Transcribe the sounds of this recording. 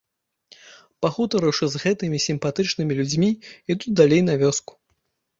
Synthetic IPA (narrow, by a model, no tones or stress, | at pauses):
paxut̪ɐɾɨwʂɨzɣɛt̪ɨmʲisʲimpat̪ɨt͡ʂnɨmʲilʲud͡zʲmʲiid̪ud̪alʲejn̪ɐvʲɔsku̥